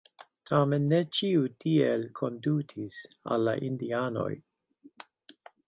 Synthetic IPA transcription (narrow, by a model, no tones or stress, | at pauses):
tʰamenːet͡ʃiutʰielkʰondutʰisa̰lːa̰ʔindiano̞̰j